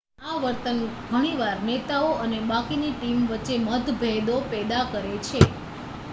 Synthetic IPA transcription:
aʋəɾt̪ənɡʱəɽ̃iʋaɾnet̪aoʔənebakiniʈimʋətːʃeməd̪ʱbʱɛd̪opɛd̪akəɾet͡ʃʰe

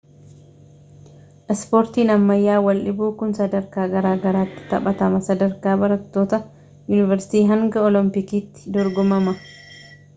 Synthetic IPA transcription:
ʔɛspoːɾt̪iːnɐmːɐjːaːwɐlʔɪbuːkʊnsɐd̪ɐɾkaːɡɐɾaːɡɐɾaːt̪ːɪ̥t̪ɐɓɐt̪ɐmɐsɐd̪ɐɾkaːbɐɾɐt̪ːo̞ːt̪ɐ | jʊnɪvɛɾsɪ̥t̪iːɦɐŋɡɐɔlɔmpɪkiːt̪ːɪ̥d̪ɔɾɡɔmɐmɐ

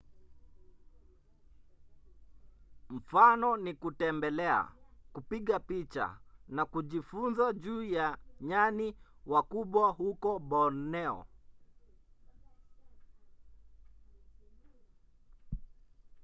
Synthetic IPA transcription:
m̩fanɔnikutɛmbɛlɛa̰kupiɠapit͡ʃa̰nakuʄifunzaʄuːjaɲaniwakuɓwahukɔɓɔnɛɔ̰

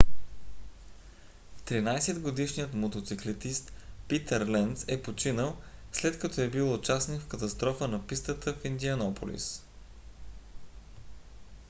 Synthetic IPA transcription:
t̪ɾinajsɛd̪ɡod̪iʃnijət̪mot̪ot̪siklɛt̪ist̪pit̪əɾlɛnt̪sɛpot͡ʃinəlˠslɛt̪kɐt̪ɔɛbilˠot͡ʃasnikfkət̪ɐst̪ɾɔfənɐpist̪ət̪əfind̪iɐnɔpo̰lḭs

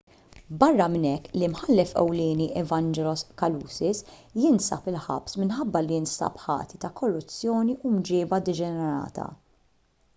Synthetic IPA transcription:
bɐrːɐmɪnɛkːlimħɐlːɛfɛ̰wlɪːniʔɛvɐnd͡ʒɛlɔskɐluːsɪsjɪnsɐ̰pɪlħɐ̰psmɪnħɐbːɐlijɪnsɐ̰pħɐ̰ːt̪it̪ɐkʰɔrːʊt͡sːjɔːniʔumd͡ʒɪːbɐd̪ɪd͡ʒɛnɛɾɐ̰ːt̪ʰɐ̰

